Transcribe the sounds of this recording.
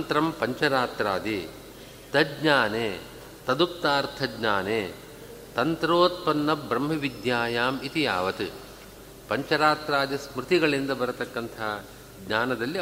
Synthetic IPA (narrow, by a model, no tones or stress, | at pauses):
nt̪ɾɐmpɐɲt͡ʃɐɾaːt̪ɾaːd̪i | t̪ɐd͡ʒɲaːneː | t̪ɐd̪ukt̪aːɾt̪ʰɐɡɲaːneː | t̪ɐnt̪ɾoːt̪̚pɐnːɐbɾɐmɦɐʋid̪jaːjaːmit̪ijaːʋɐt̪ɨ | pɐɲt͡ʃɐɾaːt̪ɾaːd̪ismɾɪt̪iɡɐɭind̪ɐbɐɾɐt̪ɐkːɐnt̪ʰɐɦɐ | ɡɲaːnɐd̪ɐlːi